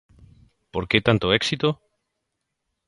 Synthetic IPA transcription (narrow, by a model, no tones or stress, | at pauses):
poɾket̪ant̪oeksit̪o